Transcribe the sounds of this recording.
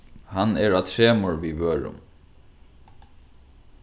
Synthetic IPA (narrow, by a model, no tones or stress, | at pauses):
hɑneːɹɑːt̪ʰɾeːmoːɹʋiːʋøːɹʊ̰m